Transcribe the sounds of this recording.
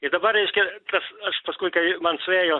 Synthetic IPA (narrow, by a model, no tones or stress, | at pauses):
ɪd̪ɐbɐrɛɪʃʲkʲɪt̪ɐsɐʃpɐskuɪkɐɪmɐnsʊeːjo